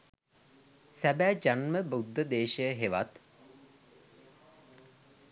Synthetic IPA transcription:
sæbæːd͡ʒanməbud̪ʱːəd̪eːʃəjəɦeʋa̰t̪

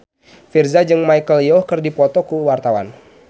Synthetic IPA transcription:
firzad͡ʒɨŋmajkəljɔkərdipɔt̪ɔkuwart̪awa̰n

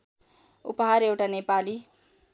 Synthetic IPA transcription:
ṵpaɦaɾewʈanepali

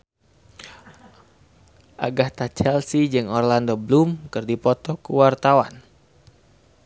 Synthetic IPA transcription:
ʔaɡaht̪at͡ʃɛlsid͡ʒɨŋɔrlandoblumkɨrdipɔt̪ɔkuwart̪awan

